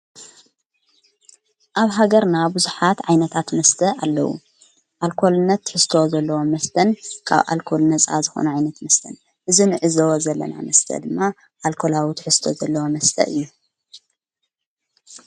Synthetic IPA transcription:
ʔaβɦaɡɐɾnabuzuħat̪ʕajnɐt̪ʰat̪mɐst̪ʰɐalːɐwṵ | ʔalkʰo̞lnɐt̪ħɨst̪ʰo̞zɐlːɐwo̞mɐst̪ʰɐnkʰa̰βʔa̰lkʰo̞lnɐt͡sʼa̰zɨxo̰nuʕajnɐt̪mɐst̪ʰɐn | ʔɨzinɨʕɨzɐwozɐlːɐ̰na̰mɐst̪ʰɐ̰d̪ɨmːa | ʔalkʰo̞lawit̪ħɨst̪ʰozɐlːɐwomɐst̪ʰɐ̰ʔɨjːu

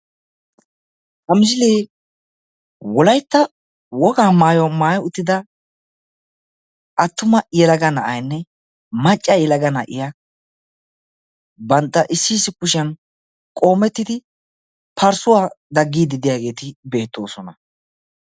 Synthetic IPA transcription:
hɐmɪs̬ɪleː | wɔlɐjt̪ːɐ | wɔɡaːmaːjɔmaːjʊt̪ːɪd̪ɐ | ɐt̪ːʊmɐjɛlɐɡɐnɐʔɐjnːɛ | mɐt͡ʃʼːɐjɛlɐɡɐnɐ̰ʔɪ̰ja | bɐnt̪ːɐʔɪsːiːsːɪkʊʃɐn | kʼo̞ːmɛt̪ːɪd̪ɪ | pʰɐɾsʊwaːd̪ɐɡːiːd̪ɪd̪ɪjaːɡe̞ːt̪ɪbe̞ːt̪ːo̞ːsɔnɐ

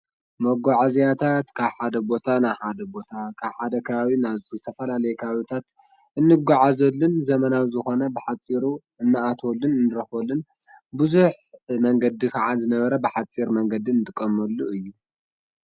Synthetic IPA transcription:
mɐɡaʕazijat̪ʰat̪kʰaβħad̪ɐbo̞t̪ʰanajħad̪ɐbo̞t̪ʰakʰaβħad̪ɐkʰɐβaβinaɨt̪ʰɐfɐlalɐjɛkʰaaβit̪ʰat̪ | ʔɨnːɨɡaʕazɐlːɨnzɐmɐnawzɨxo̞nɐbɨħat͡sʼːiɾu | ɨnːɨʔat̪ʰolːɨnɨnːɨɾɐxolːɨn | buzuħ | mɐŋɡɐd̪ikʰɐʕazɨnɐβɐɾɐbɨħat͡sʼiɾmɐŋɡɐd̪iɨnɨt̪ʼɨkʼːɐmɐlːuɨjːu

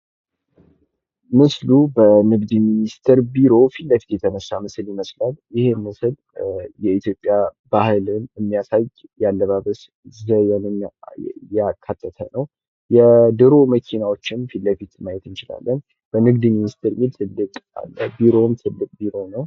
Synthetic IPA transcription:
mɨslubənɨɡd̪ɨminist̪ʰɨɾbiɾo̞filləfi̥t̪jɛt̪ʰənəsːamɨsɨljiməslaljɪhe̞mɨsɨl | jɛit̪ʰjo̞pʼjabahɨlɨnɨmːijasajjalːəβaβəs | zəjɛnɨ | jɛakʰːat̪ʰːət̪ʰənəw | jɛd̪ɨɾo̞məkʰinawo̞t͡ʃːɪnfilləfit̪majɛt̪ɨnt͡ʃɪla̰lːən | b̥ənɨɡd̪ɨminist̪ʰɨɾmid̪t̪ʰɨlːɨkʼa̰lːəbiɾo̞mt̪ʰɨlːɨkʼbiɾo̞nəw

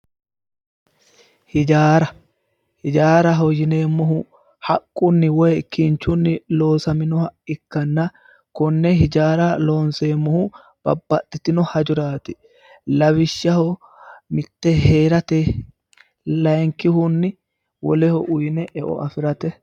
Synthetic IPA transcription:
hɪd͡ʒaːɾɐ | hɪd͡ʒaːɾɐɦɔjɪne̞ːmːɔɦʊ | hɐkʼːʊnːɪwɔjkːɪnt͡ʃːʊnːɪlo̞ːsɐmɪnɔhɐɪkːɐnːɐ | kɔnːɛɦɪd͡ʒaːɾɐlo̞ːnse̞ːmːɔhʊ | b̥ɐ̰bːɐt̪ːɪt̪ɪnɔhɐd͡ʒʊɾaːt̪ɪ̥ | lɐwɪʃːɐhɔ | mɪt̪ːɛɦeːɾɐt̪ɛ | lɐjŋkːɪhʊnːɪ | wɔ̰lɛhɔʔʊjɪnɛʔɛʔɔ̰ʔɐfɪɾɐt̪ɛ

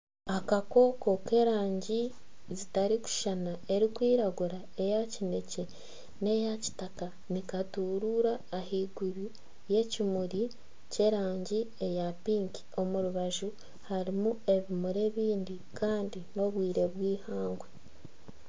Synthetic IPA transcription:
akako̞ːko̞ke̞ɾaːɲɟi | zitaɾiku̥ʃanae̞ɾikwiːɾaɡuɾa | e̞jacine̞ce̞ | ne̞jaci̥taka | nikatuːɾuɾaːhiɡuɾi | je̞cimuɾi | ce̞ɾaːɲɟiejapiːŋki̥o̞muɾuβaʒu | haɾimue̞βimuɾe̞βiːndi | kʰaːndino̞βwiːɾe̞βwiːhaːŋɡwe̞

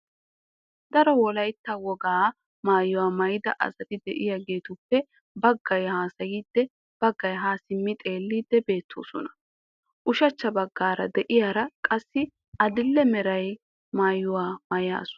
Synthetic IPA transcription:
d̪ɐɾɔwɔlɐjt̪ːɐwɔɡaː | maːjːʊwaːmɐjɪd̪ɐʔɐ̰zɐt̪ɪd̪ɛʔɪjaɡe̞ːt̪ʊpːɛ | bɐɡːɐjhaːsɐjiːd̪ːɛ | b̥ɐɡːɐjɦaːsɪmːɪt̪ʼe̞ːlːiːd̪ːɛbe̞ːt̪ʰːo̰ːsɔnɐ̥ | ʔʊʃɐt͡ʃːɐbɐɡːaːɾɐ̰d̪ɛʔɪjaːɾɐkʼɐsːɪ | ɐd̪ɪlːɛmɛɾɐj | maːjːʊwaːmɐja̰ːsʊ̥

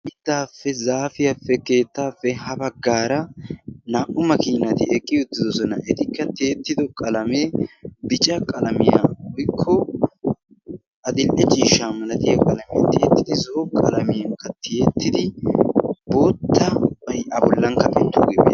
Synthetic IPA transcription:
ʔɪd̪ːaːfːɛzaːfɪjɐfːɛke̞ːt̪ːaːfːɛhɐbɐɡːaːɾɐnaːʔʼʊmɐkiːnɐt̪ɪɛkʼːɪʊt̪ːɪd̪ɔsɔnɐʔɛt̪ɪkːɐt̪eːt̪ːɪd̪ɔkʼɐlɐmeːbɪt͡ʃʼɐkʼɐlɐmɪja̰wɔjkʰːɔ | ʔɐd̪ɪlʔɛt͡ʃʼiːʃːamɐlɐt̪ɪjɐkʼɐlɐmɪjɐ̰t̪ɪet̪ːɪd̪ɪzɔɔkʼɐlɐmɪjɐŋkːɐt̪ːɪjet̪ːɪd̪ɪ | bo̞ːt̪ːɐbɐjʔɐbɔlːɐŋkːɐʔɛnt̪ːṵɡɪbḛ

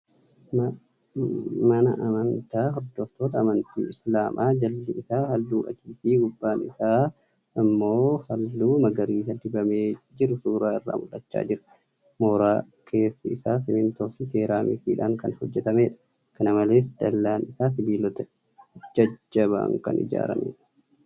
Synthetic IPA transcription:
mɐnɐ̰ʔɐmɐnt̪aːɦɔɾd̪ɔft̪o̞ːt̪ɐːmɐnt̪ḭːɪslaːmʔaːd͡ʒɐlːɪɪsaːhɐlːuːʔɐ̰t̪iːfiːɡʊbːaːnɪsaː | ɪmːo̞ːhɐlːuːmɐɡɐɾiːsɐd̪ɪbɐmeːd͡ʒɪɾʊsuːɾaːɪrːa̰ːmʊlɐt͡ʃːa̰ːd͡ʒɪɾɐ̥ | moːɾaː | kʰe̞ːsːɐɪsaːsɪnɪnt̪ɔfise̞ːɾaːmɪkḭːᶑaːŋkɐnhɔd͡ʒːɛt̪ɐmeːᶑɐ̥ | kɐnɐmɐle̞ːsd̪̥ɐlːaːnɪsaːs̬ɪbiːlɔt̪ɛ | d͡ʒɐd͡ʒːɐβa̰ːŋkɐ̰nɪ̰d͡ʒa̰ːɾɐ̰mḛːᶑɐ

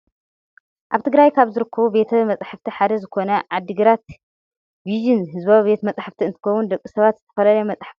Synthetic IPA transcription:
ʔaβt̪ʰɨɡɾajkʰaβzɨɾɨkʰːɐβube̞t̪ʰɐmɐt͡sʼaħaft̪ʰiħad̪ɐzɨkʰo̞nɐʕad̪ːɨɡɨɾat̪ | viʒinɦɨzbaβibe̞t̪mɐt͡sʼaħaft̪ʰiɨnt̪ʰɨ̥kɐwund̪ɐkʼːɨsɐβat̪zɨt̪ʰɐ̥fɐlɐlɐjmɐt͡sʼaħḁft̪i

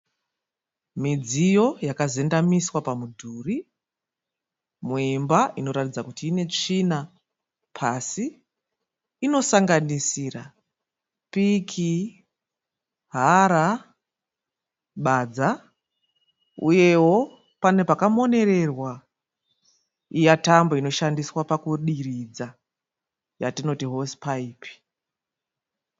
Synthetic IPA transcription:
mid͡zijo̞jakaze̞ndamiswapamudʱuːri | muimbaʔino̞ɾatid͡zakutiːne̞t͡ʂina | pʰasi | no̞saŋɡanisiːra | pikʰi | ɦaɾa | ɓad͡za | ṵje̞wo̞ | pane̞pakamo̞ne̞ɾe̞rwa | ijatamboino̞ʃandiswapakuɗirid͡za | jatino̞tiɦo̞spaiːpi̥

